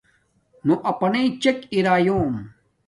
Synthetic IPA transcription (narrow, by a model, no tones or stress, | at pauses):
nuʔɐpɐneit͡ɕekiɾaːjoːm